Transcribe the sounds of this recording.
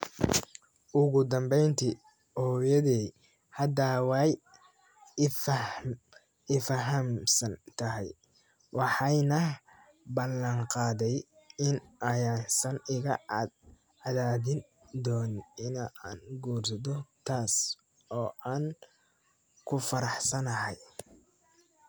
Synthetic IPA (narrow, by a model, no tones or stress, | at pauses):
ʊɣʊd̪ɐmbɛjnt̪ʰi | hɔːjɐðɛː | hɐd̪awɑj | f | ɪfɐɦɐmsɐnt̪ʰɐɦɛ̰j | wɑħɑjnɐ | bɐlɐŋqɑːðɛj | ɪnɐjaːsɐnɪɣɐ | ɑðaːðɪn | d̪ɔːnɪna̰ːnɡuːrsɐðɔt̪ʰaːs | ɔːʔaːn | kʰʊfɐɾɑħsɐnɐɦɛj